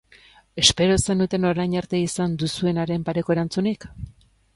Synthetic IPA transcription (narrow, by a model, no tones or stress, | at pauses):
e̞spe̞ɾo̞se̞nut̪e̞no̞ɾajɲaɾt̪e̞isand̪usue̞naɾe̞mpaɾe̞ko̞e̞ɾant͡sunik